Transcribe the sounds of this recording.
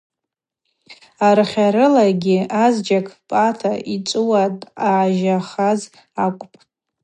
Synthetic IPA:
arχʲaɾɨlaɡʲɪazd͡ʒakʰpʼatʰait͡ʃʼɨwatʼaʕaʒaχaz | akʷʼpʼ

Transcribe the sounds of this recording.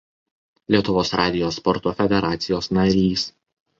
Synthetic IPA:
lʲiɛt̪ʊʋoːsɾɑːd̪ʲɪjoːspɔɾt̪oːfʲɛd̪ʲɛɾɑːt̪sʲɪjoːsnɐɾʲiːs

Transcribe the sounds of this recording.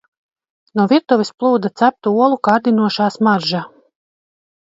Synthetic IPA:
nuɔviɾt̪ɔvisplˠuːd̪at̪sæp̚t̪uuɔlˠukaɾd̪inuɔʃaːsmaɾʒa

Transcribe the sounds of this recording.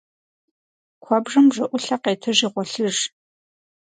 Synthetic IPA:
kʷʰɔbʐɨmʐɐʔʷʊɬɐqeːtʰɨʒiːʁʷɔɬɨʐ

